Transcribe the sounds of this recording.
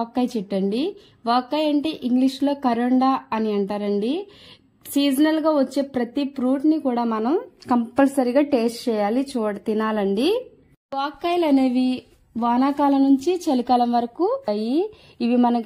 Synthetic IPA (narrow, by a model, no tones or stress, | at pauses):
kːɐjt͡ʃɛʈːɐɳɖi | ʋaːkːɐjɐɳʈe̞ːʔiŋɡliʂlo̞ːkɐɾɐɳɖaːɐniɐɳʈaːɾɐɳɖi | siːd͡ʒɐnɐlɡaːʋɐt͡ʃːe̞ːpɾɐt̪ipɾuːʈnikuːɽaːmɐnɐmkɐmpɐlɐɾiɡaːʈeːsʈt͡ʃɛːjaːlit͡ʃuːɽɐt̪inaːlɐɳɖi | ʋaːkːɐjlɐneːʋi | ʋaːnaːkaːlɐnuɲt͡ʃit͡ʃɐlikɐlɐmʋɐɾɐkuji | iʋimɐnɐ